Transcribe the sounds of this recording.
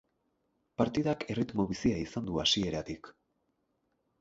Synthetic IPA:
paɾt̪iðakʰe̞rit̪mo̞βisiaisand̪uasie̞ɾat̪ik

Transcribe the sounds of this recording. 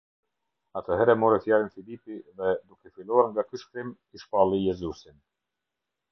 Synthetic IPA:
at̪əɦɛɾɛmɔɾɛθjalinfilipiðɛd̪ukɛfilˠɔaɾŋɡakyʃkɾim | iʃpalˠijɛzusin

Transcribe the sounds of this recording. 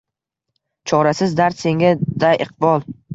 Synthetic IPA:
t͡ʃʰɒɾasɪzd̪aɾt̪se̞ŋɡʲad̪ajʔɨq̚bɒlˠ

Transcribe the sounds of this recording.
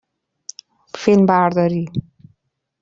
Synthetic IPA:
felmbaɾd̪ɔɾi

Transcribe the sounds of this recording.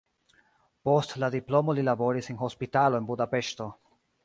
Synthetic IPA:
po̞stladiplo̞mo̞lilabo̞ɾisenho̞spitalo̞e̞nbudape̞ʃto̞

